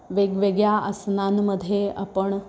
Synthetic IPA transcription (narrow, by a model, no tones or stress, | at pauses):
ʋeɡʋeɡjaəsnanməd̪ʱjeə̰pəɳ